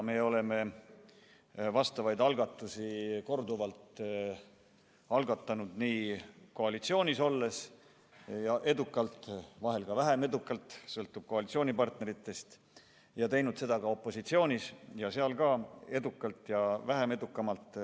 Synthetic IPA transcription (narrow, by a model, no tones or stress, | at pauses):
me̞o̞le̞me̞ | vɑst̪ɑvɑjd̪ɑlɡ̥ɑt̪ːˑusiko̞rd̪uvɑlt̪ | ɑlɡɑt̪ːˑɑnud̪̥niːko̞ɑlit̪sio̞ːnʲiso̞lːe̞s | jɑʔe̞d̪ukːˑɑlt̪ˑvɑɦe̞lkɑvæɦe̞me̞d̪ukːˑɑlt̪sɤlt̪ːˑub̥̚ko̞ɑlit̪sio̞ːnʲipɑrt̪ne̞ɾit̪ˑːe̞st̪ | jɑt̪e̞jnud̪̥se̞d̪ɑkɑo̞pːˑo̞sit̪sio̞ːnʲisjɑseɑlkɑe̞d̪ukːˑɑlt̪ˑjɑvæɦeme̞d̪ukːˑɑmɑlt̪ˑ